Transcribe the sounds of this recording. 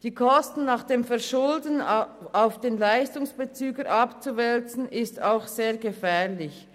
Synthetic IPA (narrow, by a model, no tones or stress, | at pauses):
d̥iːkʰɔstn̩ːaːχd̥eːmfɛɐʃʊldənaʊfd̥eːnlaɪstʊŋsb̥ət͡syːɡəɾʔɑpt͡suvɛlt͡sn̩ɪstaʊxz̥eːɐɡəfɛːʁlɪç